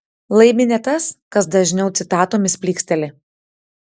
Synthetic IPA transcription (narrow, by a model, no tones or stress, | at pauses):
lˠɐɪmʲɪnʲet̪ɐskɐsd̪ɐʒʲnʲɛʊt̪sʲɪt̪ɑːt̪oːmʲɪsʲpʲlʲiːksʲt̪ʲɛlʲɪ